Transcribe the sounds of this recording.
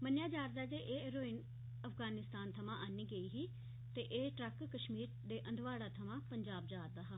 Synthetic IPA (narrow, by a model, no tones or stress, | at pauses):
mənjaːd͡ʒaːɾd̪aːd͡ʒeːʔeːeɾoːɪn | əfʰɡaːnɪst̪aːnt̪ʰəmãːʔaniːɡəiːɦiː | t̪eːʔeːʈɾəkːəʃmiːɾd̪eːʔənd̪ʋaːɽaːt̪ʰəmãːpəɲd͡ʒaːb̚d͡ʒaːɾd̪aːɦaː